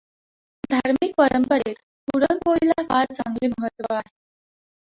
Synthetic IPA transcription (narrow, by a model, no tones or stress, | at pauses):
d̪ʱaɾmik̚pəɾəmpəɾet̪ | puɽənpoilakaɾt͡sa̰ŋɡliːməɦət̪ʋəaɦe